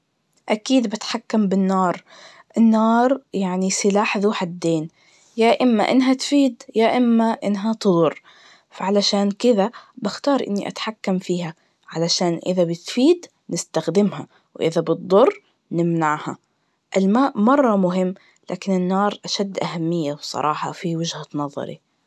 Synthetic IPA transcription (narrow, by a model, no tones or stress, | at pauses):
ʔakiːd̪bɪt̪ħakːambɪnːɑːɾˤ | ʔɪnːɑːɾˤjaʕnisɪlaːħðuːħad̪ːeːn | jaːʔɪmːa̰ʔɪnɦat̪fiːd̪jaʔɪmːaʔɪnːɦat̪ɨd̪ˤʊɾ | faʕalaʃaːnkɪðabɪxt̪ɑːɾˤʔɪ̰nːiʔa̰t̪ħakːamfiːha | ʕalaʃaːnʔɪ̰ðabɪt̪fiːd̪ | nɪst̪axd̪ɪmha | wʔɪðabɨt̪̚d̪ˤʊrˤː | nɪmnaʕha | ʔɪlmaːʔmɑrˤːɑmʊɦɪmː | la̰ːkɪnɪnːɑːɾˤʔaʃad̪ːʔahamːɪjːawsˤɑ̰ɾˤɑːħɑ̰fiwɪd͡ʒhat̪nɑðˤːɑ̰ɾḭ